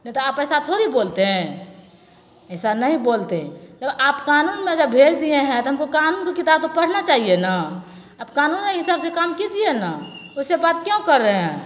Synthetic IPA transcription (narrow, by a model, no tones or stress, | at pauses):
nɛt̪ɔaːpəɦsat̪ʰoɾibolt̪eɦ | əɪsanəɦĩbolt̪ed͡ʒəbapkanunmed͡ʒəbbʱed͡ʒd̪ieɦɛ̃t̪ɔɦəmkokanunkekit̪ab̚t̪opəɽ̤nat͡ʃaːɦiena | abkanunkeɦisabsekamkid͡ʒienaosebad̪kjõkəɾːəɦɛ̃